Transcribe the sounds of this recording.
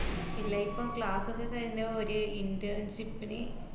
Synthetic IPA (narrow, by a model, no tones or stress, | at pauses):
ilːɐjipːoːmkɭaːsukːekɐɻiɲːɐoɾuinɖɐɳɕipːinɨ